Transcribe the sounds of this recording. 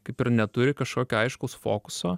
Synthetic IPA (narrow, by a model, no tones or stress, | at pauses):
kɐɪpɪɾnʲɛt̪ʊɾʲɪkɐʃkoːkʲoːɐɪʃkoːsfo̰ːkʊsoː